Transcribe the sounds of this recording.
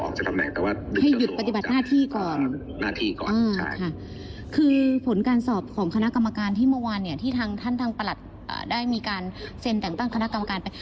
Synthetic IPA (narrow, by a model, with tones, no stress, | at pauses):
ɔ̰˨˦kt͡ɕa˨˩t̪ʰa˧nɛ̰˨˩ŋt̪ɛː˨˩waː˥˩˧ha˥˩jju˨˩t̪̚pa˧t̪i˨˩ba˨˩t̪naː˥˩t̪ʰiː˥˩kɔː˨˩n | naː˥˩t̪ʰiː˥˩kɔ̰ː˨ʔaː˧t͡ɕa̰˦˥˩kʰa˥˩ | kʰɯː˧pʰo˨˩˦nkaː˧nsɔː˨˩p̚kʰɔː˩˦ŋkʰa˧na˦˥ʔka˧mːa˧kaː˧nt̪ʰiː˥˩mɯ˥˩˨waː˧nːi˥˩ɐt̪ʰiː˥˩t̪ʰaː˧ŋt̪ʰa˥˩nt̪ʰaː˧ŋpa˧la˨˩t̪̚ | ʔa̰ː˩daː˥˩jmiː˧kaː˧nse˧nt̪ɛ˨˩ŋt̪a˥˩ŋkʰa˧na˦˥ka˧mː˧kaː˧npa˧j